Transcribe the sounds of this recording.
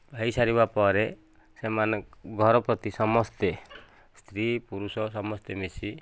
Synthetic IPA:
bʱajsaɾibapɔɾe | semanɡʱɔɾɔpɾɔt̪isɔmɔst̪e | st̪ʰɾipuɾusɔsɔmɔst̪emisi

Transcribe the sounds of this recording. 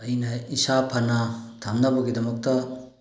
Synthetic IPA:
ɐjnɐisapʰɐnɐtʰamnɐbɐɡidɐmɐk̚tɐ

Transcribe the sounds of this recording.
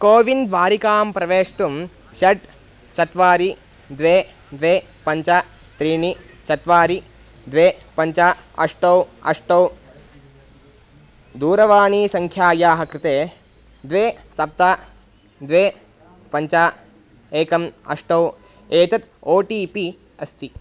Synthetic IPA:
koːʋind̪ʋaːɾikaːmpɾɐʋeːʂʈ̪um | ʃɐʈ | t͡ʃɐt̪ʋaːɾi | d̪ʋeː | d̪ʋeː | pɐɲt͡ʃaː | t̪ɾiːɳi | t͡ʃɐt̪ʋaːɾi | d̪ʋeːpɐɲt͡ʃaːɐ̰ʂʈɐwɐ̰ʂʈɐw | d̪uːɾɐʋaːɳiːsɐŋkʰjaːjaːɦɐkɾɪt̪eː | d̪ʋeːsɐp̚t̪aː | d̪ʋeː | pɐɲt͡ʃaː | eːkɐmɐ̰ʂʈɐw | eːt̪ɐt̪oːʈiːpi | ɐst̪i

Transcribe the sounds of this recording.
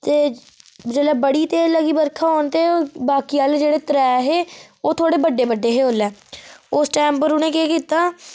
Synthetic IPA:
t̪eː | d͡ʒəlɛːbəɽiːt̪eːləɡiːbəɾkʰaɦoːnt̪eːobaːkiːaːld͡ʒeːɽeːt̪əɾɛːɦeːoːt̪ʰoːɽeːbəɖːeːbəɖːeːɦeːoːlːɛːʊsʈɛːmpəɾʊn̤ẽːkeːkiːt̪aː

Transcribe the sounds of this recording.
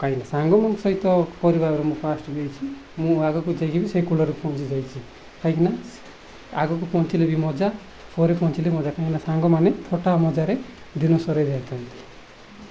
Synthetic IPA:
kaɦĩnasaŋɡɔmɔnsɔɦit̪ɔkɔɾibabɔɾemũpʰasʈbijt͡ʃʰimũaɡɔkud͡ʒajkibiseikulɔɾepʰɔnt͡ʃid͡ʒajt͡ʃʰi | kaĩkʰina | aɡɔkupʰɔnt͡ʃilebimɔd͡ʒa | pʰoɾepʰɔ̃nt͡ʃʰilemɔd͡ʒakaĩkinasaŋɡɔmanet̪ʰoʈamɔd͡ʒaɾe | d̪inɔsɔɾejd̪eat̪ʰɔnt̪i̥

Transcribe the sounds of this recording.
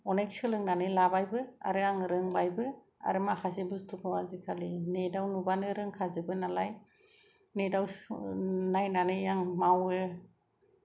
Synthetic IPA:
ɔnajk̚sɯlɯŋnanɯjlabajbɯa̰ɾɯaŋɾɯŋbajbɯ | a̰ɾɯmakʰasebɯstʰukʰawazikʰalinedawnubanɯɾɯŋkʰazɯbɯnalaj | nedaw | najnanɯjaŋmawɯ

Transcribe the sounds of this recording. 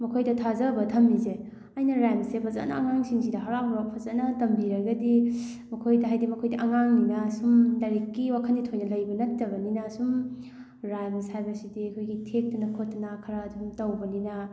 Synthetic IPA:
mɐkʰojdɐtʰazɐbɐtʰɐmːize | ajnɐɾajmsepʰɐza̰nɐ̰ːŋaŋsiŋsidɐɦɐɾapʰɾak̚pʰɐzɐnɐtɐmbiɾɐɡɐdi | mɐkʰojdɐɦajdimɐkʰojdiʔɐŋaŋninɐsumdɐɾikːiwakʰɐnditʰojnɐlɐjbɐnɐtːɐbɐninasum | ɾajmshajbɐsidiɐkʰojɡitʰek̚tunɐkʰotːnakʰɐɾaːdumtɐwbɐninɐ

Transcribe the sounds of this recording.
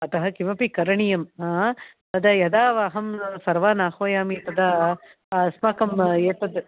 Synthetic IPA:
ɐt̪ɐɦɐkimɐpikɐɾɐɳijɐmː | t̪ɐd̪ɐjɐd̪aːʋaːɦɐmsɐɾʋaːnaːxoːjaːmit̪ɐd̪ɐ | smaːkɐmeːt̪ɐd̪

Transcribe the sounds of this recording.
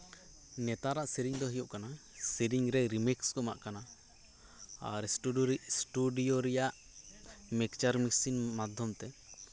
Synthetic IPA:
nɛt̪aɾaʔsiɾiŋd̪ɔɦijuʔkanasiɾiŋɾɛɾimikskɔma̰ʔkana | a̰ɾsʈusʈuɖijoɾɛjaʔ | mɛkt͡ʃaɾmisinmad̪ʱjɔmt̪ɛ

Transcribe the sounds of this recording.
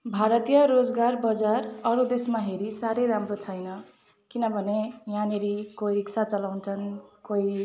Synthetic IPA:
bʱaɾʌt̪ijʌɾod͡zɡarbʌd͡zarʌɾud̪esmaɦeɾisaɾeɾamrot͡sʰʌjnʌ | kinʌbʱʌnejãneɾikoiɾiksʰat͡sʌlawnt͡sʰʌnkoi

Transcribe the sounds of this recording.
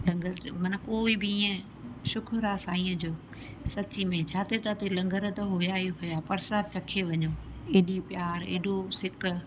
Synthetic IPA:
lɐ̃ŋɡəɾmɐnə̆koːɪbɪiːə̃ | ʃʊkʰʊɾaːsaːĩːə̃d͡ʑoː | sɐt͡ɕimẽt͡ɕʰaːt̪ʰet̪at̪elɐ̃ŋɡəɾ̆t̪ɐɦojaːiɦʊjaːpɐɾsaːt͡ɕɐkʰeʋɐɲoː | eːɗipjaːɾḛːɗosɪkʊ̆

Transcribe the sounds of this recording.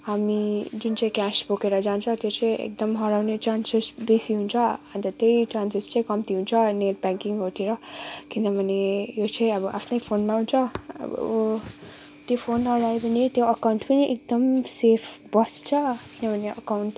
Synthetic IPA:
ɦamid͡zunt͡saĩkaspukeɾʌd͡zant͡sʰʌt̪jot͡sãjḛk̚d̪ʌmɦʌɾawnet͡ʃansesbesiɦunt͡sʰʌant̪ʌt̪ejt͡ʃansest͡sãj̃kʌmt̪iɦunt͡sʰʌnelpãŋkiŋɡɦoʈʰeɾʌkind̪ʌbʱʌnejot͡sʰãj̃ʌbʌʔa̰pʰnʌjpʰonmaɦunt͡sʰʌ̰b̰ | t̪jopʰonʌɾaepʌnit̪joəkawɳʈpʌniʔek̚d̪ʌmsepʰbʌst͡sʰʌkinabʱʌneʌ̰kawɳʈ

